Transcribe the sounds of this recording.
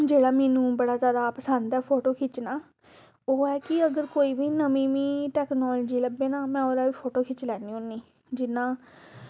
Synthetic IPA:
d͡ʒeːɽaːmɛːnũːbəɽaːzjaːd̪aːpəsənd̪ɛːpʰoːʈoːkʰɪt͡ʃnaː | oːɛːkɪəɡəɾkoːiːbiːnəmĩːmĩːʈɛːknɔːld͡ʒiːləbːeːnãːmɛ̃ːoːɾaːʋiːpʰoːʈoːkʰɪt͡ʃlɛːniːũːnːĩː | d͡ʒɪnːãː

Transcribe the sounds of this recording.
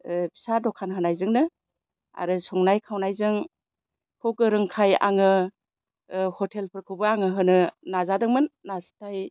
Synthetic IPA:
bʰi̥sadɔkʰːanɦɯnajzɯŋnɯ | a̰ɾɯsɔŋnajkʰawnajzɯŋ | kʰukɯɾɯŋkʰaja̰ŋɯ | hɔtʰelpʰɯɾkʰɯwbɯaŋɯɦɯnɯnazadɯŋmɯnːastaj

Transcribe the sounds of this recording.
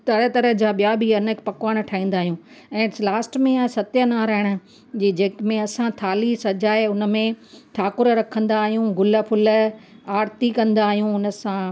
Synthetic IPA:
t̪ɐɾət̪ɐɾəɦd͡ʑaːɓijabʱiɐnpɐkʋaːɽ̃̆ʈʰaːĩːn̆d̪aːɦijũː | ɛ̃ːlaːsʈmẽsɐt̪jənaːɾaːɪɽ̃ə̆ | d͡ʑiːd͡ʑeːkmẽɐsãt̪ʰaːlisɐd͡ʑaːeʊnə̆mẽt̪ʰaːkʊɾɾɐkʰə̃nd̪aːɦijũɡʊlə̆pʰʊlə̆aːɾt̪ikɐ̃nd̪aːɦijũʊnə̆sã

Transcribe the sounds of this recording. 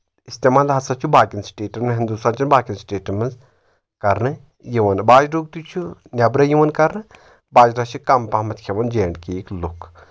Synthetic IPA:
ist̪emaːlɦɐsɐt͡ʃʰubaːkinsʈeːʈɐmnɦind̪ust̪aːnt͡ʃinbaːkʲinsʈeːʈɐmɐz | kɐɾnɨ | jiʋɐnbaːd͡ʒɖuːk̚t̪ut͡ʃʰunʲɐbɾɐjiʋɐnkɐɾnɨ | baːd͡ʒɾat͡ʃʰikɐmpamɐt̪ʰkʰeʋɐnd͡ʒeːɳɖkiklukʰ

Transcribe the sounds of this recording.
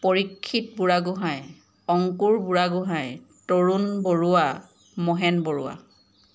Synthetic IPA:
poɹikʰːitbuɹaɡʊɦãj | ɔŋkuɹbuɹaɡʊɦãj | toɹunboɹuwa | mɔɦɛnboɹuwa̰

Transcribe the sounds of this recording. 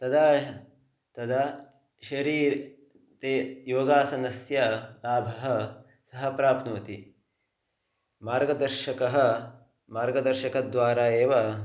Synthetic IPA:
t̪ɐd̪aː | t̪ɐd̪a | ʃɐɾiːɾ | t̪eːjoːɡaːsɐnɐsjɐlaːbʱɐɦɐ | sɐɦɐpɾaːpnuːt̪i | maːɾɡɐd̪ɐɾʃɐkɐɦɐ̆ | maːɾɡɐd̪ɐɾʃɐkɐd̪ʋaːɾaːjeːʋɐ

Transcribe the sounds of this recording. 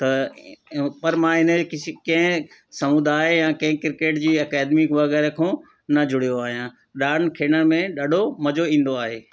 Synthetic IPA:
t̪ɐ | pɐɾmãɪnəkɪkɐ̃ɦɪ̃ | sɐmʊd̪aːjãːkɐ̃ɦɪ̃kɪɾkeːʈd͡ʑiːɐkaːd̪mikʋɐɣɛːɾekʰõː | nɐd͡ʑʊɽ̤ijoaːɦijã | ɗaːɽnkʰeːɽənmẽɗaːɖʱomɐd͡ʑoĩːn̆d̪oaːɦeː

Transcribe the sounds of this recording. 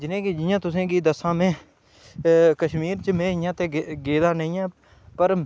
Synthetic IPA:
d͡ʒɪnẽːkiːd͡ʒɪjãːt̪ʊsẽːɡiːd̪əsãːmẽː | kəʃmiːɾt͡ʃəmẽːɪjãːt̪ẽːɡeːd̪aːnəĩːɛ̃ː | pəɾ

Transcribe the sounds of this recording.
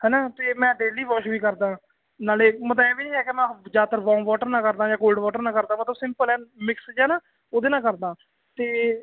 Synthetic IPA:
hɛːnaːt̪eːmɛ̃ːɖeːliːʋɔːʃbiːkəɾd̪ãː | naːleːmət̪lbɛːbiːnĩːɦɛːkɪmɛ̃ːd͡ʒaːt̪əɾʋɔ̃ːmʋɔːʈəɾnãːkəɾd̪aːd͡ʒãːkoːlɖʋɔːʈəɾnãːkəɾd̪aːmət̪ləbsɪmpəlɛːnmɪksd͡ʒɛːnaː | oːd̪eːnãːkəɾd̪ãː | t̪eː

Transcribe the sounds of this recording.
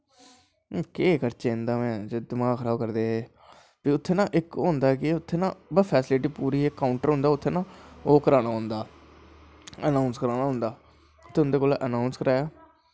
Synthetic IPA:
keːkəɾt͡ʃeːɪ̃nd̪aːmɛ̃ːd͡ʒed̪ɪmãːkʰəɾaːbkəɾd̪eː | piʊt̪ʰːeːnãːʔɪkɦõːnd̪aːkɪʊt̪ʰːeːnãːbəpʰɛːsɪlɪʈ̬iːpuːɾiːekːaːʊɳʈəɾɦʊ̃nd̪aːʊt̪ʰːeːnãːoːkəɾaːnaːɦõnd̪aː | ənaːʊnskəɾaːnaːɦʊ̃nd̪aː | t̪eʊ̃nd̪eːkoːlʔənaːʊnskəɾaːjaː

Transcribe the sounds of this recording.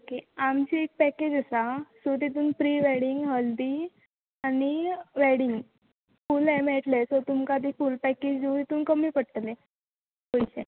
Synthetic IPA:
okeamt͡ɕiek̚pɛked͡ʑəsasot̪it̪̬uːnpɾiːʋɛɽiŋɡɦəld̪iː | aniʋɛɽiŋɡ | fulɛmɛʈlesɔt̪umkad̪ʱiːfulpɛked͡ʑd͡ʑeut̪it̪uːnkəmiːpəɽʈ̪le | pəjɕe

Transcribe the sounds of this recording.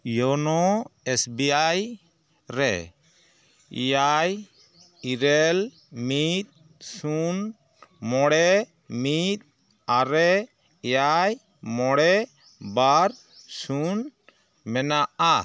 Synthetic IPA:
jɔnɔɛsbiaj | ɾɛ̰ | ḭjaj | iɾɛl | mit̪̚ | sun | mɔɽɛ | mit̪̚ | aɾɛ | ɛjaj | mɔɽɛ | baɾ | sun | mɛnaa

